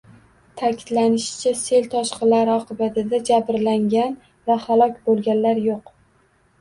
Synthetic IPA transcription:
t̪ʰakʲʰɪd̪lanɪʃɪ̥t͡ʃʰase̞lt̪ʰɒʃqɨlaɾɪɒqʰɨbat̪ʰɪd̪ad͡ʒabɾlaŋɡʲan | vahalˠɒkʲbolˠɡʲanlaɾjoq

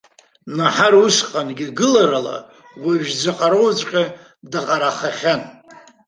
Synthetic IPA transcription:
naħarusqʼanɡʲiɡɨlaɾala̰ | wʷaɥᶣd͡zʷaqʼaɾowt͡ʃʷʼqʲʼa | dɨqʼaɾaχaχʲan

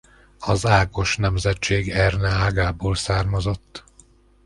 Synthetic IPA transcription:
ɒzaːko̞ʃnɛmzɛt͡ʃːeːɡɛrnɛaːɡaːboːlsaːrmɒzo̞t̪ː

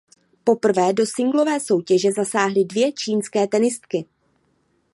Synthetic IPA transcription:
po̞pr̩vɛːdo̞sɪŋɡlo̞vɛːso̞wcɛʒɛzasaːɦlɪdvjɛt͡ʃiːnskɛːt̪ɛnɪst̪kɪ

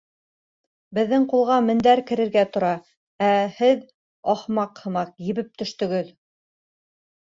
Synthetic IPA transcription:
bɘ̆ðːɘŋqulˠʁɑmɘ̆nd̪æɾkɘ̆ɾɘ̆ɾɡæt̪ŏɾɑ | æhɘð | ɑhmɑqhɤ̆mɑqjɘ̆βɘp̚t̪ɵ̆ʃt̪ɵ̆ɡɘð

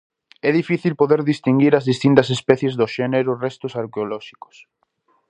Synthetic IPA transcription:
ɛðifiθilpoðeɾðist̪iŋɡiɾɐzðist̪int̪ɐs̬espɛθjezðoʃɛneɾʊrɛst̪ʊsaɾkeolɔʃi̥ko̥s

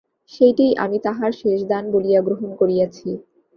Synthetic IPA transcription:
ʃejʈijʔa̰mit̪aɦaɾʃeʃd̪anbolijaɡɾoɦonkoɾijat͡ɕʰi

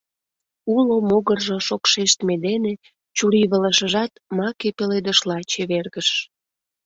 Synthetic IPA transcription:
ulomoɣərʒoʃokʃeʃt̪med̪ene | t͡ɕuɾiβələʃəʒɑt̪mɑkepeled̪əʃlɑt͡ɕeβerɣəʃ

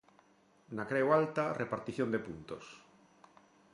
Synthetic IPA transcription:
nakɾewalt̪arepaɾt̪iθjond̪epunt̪os

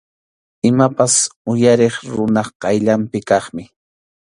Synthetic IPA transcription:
ɪmapasʊjaɾeχɾʊnɑχqɑjʎampɪkɑχmɪ

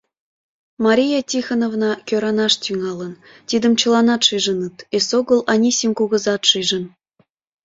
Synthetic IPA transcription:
mɑɾʲijɑtʲixɑnovnɑkʲøɾɑnɑʃt̪yŋɑlən | t̪id̪ə̆mt͡ɕə̆lˠɑnɑt̪ʃiʒə̆nɯt̪esoɣəlˠʔɑnʲisʲimkuɣə̆zɑt̪ʃiʒə̆n

